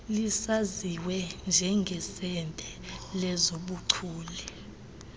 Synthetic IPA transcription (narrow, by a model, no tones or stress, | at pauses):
lisaziwɛnd͡ʒʱɛŋɡʱɛsɛntʼɛlɛzoɓuǀʰuːli